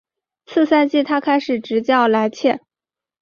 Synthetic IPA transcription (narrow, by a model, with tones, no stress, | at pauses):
t͡sʰɹ̩˥˧sa˥˧ɪt͡ɕi˥˩t̪ʰa˥kʰa˥ɪʂɻ̩˨˩ʈ͡ʂɻ̩˧˥t͡ɕjɑ˥˩ʊla˧˥ɪt͡ɕʰjɛ˥˩